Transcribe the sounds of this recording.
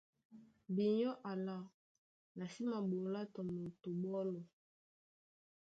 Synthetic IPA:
bi˨ɲɔ˦ʔa˨la˦˨ | na˨si˦ma˨bo˨la˦tɔ˨mo˨tu˨bɔ˦lɔ˨

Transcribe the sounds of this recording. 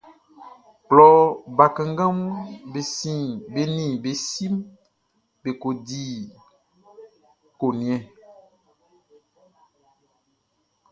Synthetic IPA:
k͡plɔ˨ba˨kã˨ŋ˦ɡã˦m˦be˨sĩ˦˨be˨nĩ˦˨be˨si˦m | be˨ko˨di˦˨ | ko˨nĩ˨ɛ̃˨

